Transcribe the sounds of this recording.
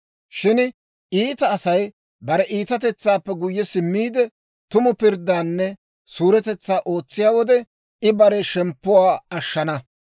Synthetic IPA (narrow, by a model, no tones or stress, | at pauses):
ʃɪn | ʔiːt̪ɐːsɐj | bɐɾɛʔiːt̪ɐt̪̬ɛt͡sːaːpːɛɡʊjːɛsɪmːiːd̪ɛ | t̪ʊmʊpɪɾd̪ːaːnːɛ | suːɾɛt̪ɛt͡sːaːʔo̞ːt͡sːɪjaːwɔd̪ɛ | ʔɪbɐɾɛʃɛmpːʊwaːɐʃːɐnɐ